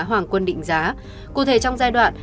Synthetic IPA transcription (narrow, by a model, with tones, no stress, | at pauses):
ɦwaː˨˩ŋkwə˧nɗḭ̈˧˨ŋ̟zaː˨˦ | kṵ˧˨t̪ʰe˨˦t͡ɕɔ˧wŋ͡mzaː˧jɗwa̰ː˧˨n